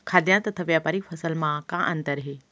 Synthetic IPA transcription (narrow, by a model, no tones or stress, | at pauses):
kʰaːd̪jãt̪ɐt̪ʰɐʋjapɐɾifʰɐsəlmãkãʔɐ̃nd̪əɾɦeː